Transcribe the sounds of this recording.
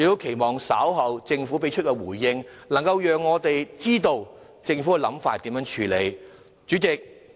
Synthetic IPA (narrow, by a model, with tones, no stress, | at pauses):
jɪ˨˧t̪o˥wkʰe˨˩jmɔː˨˩ŋsɐː˨˥wɦɐ˨wt͡sɪ˧ŋfuː˨˥pe˨˥jt͡ʃʰt̚kɛ˧wuː˨˩jːɪ˧ŋ | lɐ˨˩ŋkɐ˧wjœː˨˩ŋːɔː˨˧t̪e˨jt͡siː˥t̪o˧w | t͡sɪ˧ŋfu˨˥kɛ˧lɐ˨˥mfaː˧t̚t̪ːiː˨˥mjœː˨˥ŋt͡ʃʰyː˨˧le˨˧j | t͡ʃyː˨˥t͡sɪ˨k̚